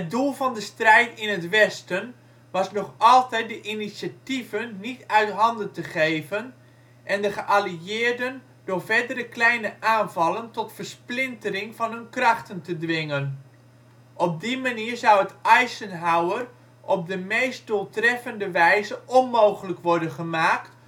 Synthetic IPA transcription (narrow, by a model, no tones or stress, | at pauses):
hət̚dulˠvɑndəstrɛjtɪnətʋɛstən | ʋɑsnɔχɑlˠtɛjt̚dəʔinisjativənːitœɥtɦɑndəntəχejvən | ʔɛndəχəʔaliɪːrdən | d̥ʊːrvɛrdərəklɛjnəʔaːnvɑlˠəntɔtfərsplɪntərɪŋfɑnɦɵnkrɑxtəntədʋɪŋən | ʔɔb̚dimaniːrzawətɛjsənɦawər | ʔɔb̚dəmejst̚d̥olˠtrɛfəndəʋɛjzəɔnmowχələkʋɔrdənχəmaːkt